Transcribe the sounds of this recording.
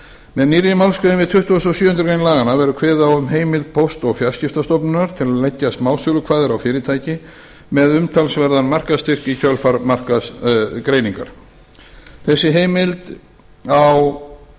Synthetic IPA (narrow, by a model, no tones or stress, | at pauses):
mɛðniːɾjɪmawlskʏɪnmvɪðt̪ʰʏht̪uasɔsjʏːhʏnt̪ɾkejnlaːɣanavɛɾʏkʰvɛːðaɔʏmɦeːjmɪlt̪̚pʰowst̪ɔɣfjḁscɪft̪ast̪ɔpnʏnaɾ̥t̪ʰɪlaðlɛcːasmaːw̪sʏlʏkʰv̥aːðɪɾawfɪːɾɪt̪ʰaːjcɪ | mɛðʏmt̪ʰalsvɛɾðanmar̥kast̪ɪr̥kicʰœlfaɾmar̥kaskɾeːjniŋka̰ɾ̥ | θɛsːɪɦeːjmɪlt̪ | aw